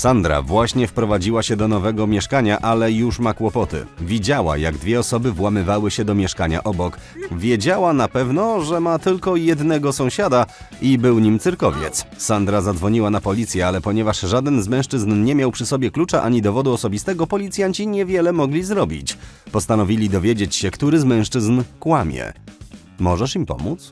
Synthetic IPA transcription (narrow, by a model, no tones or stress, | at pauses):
sand̪ɾa̰vwaɕɲɛfpɾɔvad͡ʑiwaɕɛd̪ɔnɔvɛɡɔmʲjɛʂkaɲaʔalɛjuʂmakwɔpɔt̪ɘ̰vʲid͡ʑawa̰ja̰ɡd̪vʲjɛɔsɔbɘvwamɘvawɘɕɛd̪ɔmʲjɛʂkaɲa̰ʔɔbɔkvʲjɛd͡ʑawanapɛvnɔʐɛmat̪ɘlkɔjɛd̪nɛɡɔsɔ̃w̃ɕad̪a | ibɘwɲimt̪sɘɾkɔvʲjɛ̰t̪ssand̪ɾazad̪zvɔɲiwanapɔlʲit̪sʲjɛalɛpɔɲɛvaʂʐad̪ɛnzmɛ̃w̃ʂt͡ʂɘznɲɛmʲjawpʂɘsɔbʲjɛklut͡ʂaʔa̰ɲid̪ɔvɔd̪uɔsɔbʲist̪ɛɡɔpɔlʲit̪sʲjaɲt͡ɕiɲɛvʲjɛlɛmɔɡlʲizɾɔbʲḭt͡ɕpɔst̪anɔvʲilʲid̪ɔvʲjed͡ʑet͡ɕɕɛkt̪uɾɘzmɛ̃w̃ʂt͡ʂɘznkwamʲjɛ̰ | mɔʐɛʂimpɔ̰mut̪s